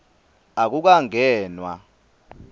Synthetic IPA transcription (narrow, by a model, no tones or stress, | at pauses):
ak̬uk̬aŋɛːnwa̰